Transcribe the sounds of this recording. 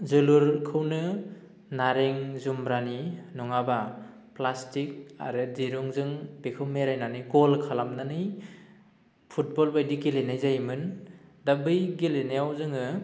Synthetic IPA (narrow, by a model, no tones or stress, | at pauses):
zɯluɾkʰɯwnɯ | naɾeŋzumbɾaninɔŋaba | plastik̚a̰ɾɯdiɾuŋzɯŋb̥ekʰɯwmeɾajnanɯjɡɔlkʰalamnanɯj | pʰut̚bɔlbajdiɡilenajzajmɯndabɯjɡilenajawzɯŋɯ